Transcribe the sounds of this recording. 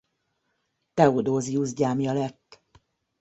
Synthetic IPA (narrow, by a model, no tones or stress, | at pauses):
t̪ɛod̪oːziuzɟaːmjɒlɛt̪ː